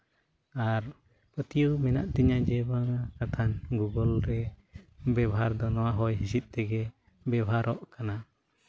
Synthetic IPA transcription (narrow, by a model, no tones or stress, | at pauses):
aɾ | pət̪ijumɛna̰ʔt̪ɛɲad͡ʒɛbaŋakat̪ʰanɡuɡɔlɾɛ | bɛbʱaɾd̪ɔnɔwaɦɔjɦisit̪̚ˀt̪ɛɡɛ | bɛbʱaɾɔʔkana